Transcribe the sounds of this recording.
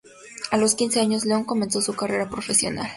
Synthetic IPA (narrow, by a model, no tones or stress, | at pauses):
alo̞skinse̞aɲo̞zleo̞ŋko̞me̞nso̞sukare̞ɾapɾo̞fe̞sjo̞̰na̰l